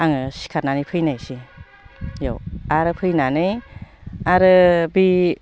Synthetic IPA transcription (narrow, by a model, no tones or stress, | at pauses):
aŋɯsi̥kʰaɾnanipʰɯjnajsi | jo̰waɾɯpʰɯjnanɯj | aɾɯbi